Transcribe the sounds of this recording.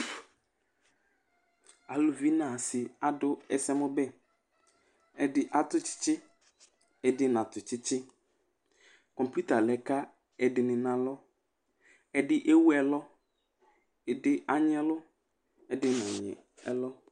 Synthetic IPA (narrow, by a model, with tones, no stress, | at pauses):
a˨lʊ˨vi˦nã˨sɪ˨a˨dʊ˦ɛ˦sɛ˦mʊ̃˦bɛ˦ | ɛ˨dɪ˨ʔa˦t̪ʊ˦t͡ʃɪ̥˦t͡ʃɪ˦ | ɛ˨dɪ˦nã˨t̪ʊ˨t͡ɕɪ˦t͡ɕɪ˦ | kɔ̃˨mpju˦t̪a˨lɛ˨ka˦ | ɛ˨dɪ˨nɪ̃˨nã˨lɔ˦ | ɛ˦dɪ˦ʔe˦wu˦ɛ˨lɔ˦ | ɛ˨dɪ˦ʔa˨ɲ˦ɛ˦lʊ˦ | ɛ˦dɪ˦nɔ̃˨ɲɪ̰˨ | ɛ̰˦lɔ˦